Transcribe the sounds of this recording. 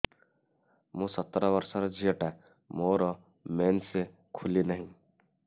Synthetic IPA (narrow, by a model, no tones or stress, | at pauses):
mõsət̪ːɾabəɾsaɾd͡ʒijəʈa | moːɾɔ | meːnse | kʰʊlinəɦĩ